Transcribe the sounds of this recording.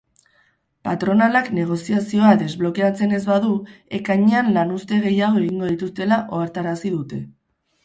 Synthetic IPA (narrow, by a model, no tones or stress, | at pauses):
pat̪ɾo̞nalakne̞ɣ̞o̞siasio̞ad̪e̞zβlo̞ke̞at͡se̞ne̞zβaðue̞kaɲe̞anlanust̪e̞ɣ̞e̞jaɣ̞o̞e̞ɣiŋɡo̞ð̞it̪ust̪e̞laʔo̞aɾt̪aɾasiðut̪e̞